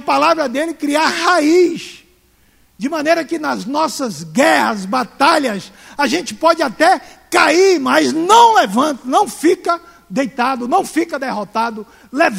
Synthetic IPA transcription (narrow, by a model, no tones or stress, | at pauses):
ɐpalavɾɐd̪elɪkɾiaɾhais | d͡ʒɪmɐ̃nejɾɐkɪnɐznɔsɐzɡɛhɐzbat̪aʎɐsaʒẽnt͡ʃɪ̥pɔd͡ʒɪat̪ɛkaiɾmɐznɐ̃w̃levɐ̃nt̪ɐnɐ̃w̃fikɐ | d̪ejt̪ad̪ʊnɐ̃w̃fikɐd̪eɦot̪ad̪ʊ | lev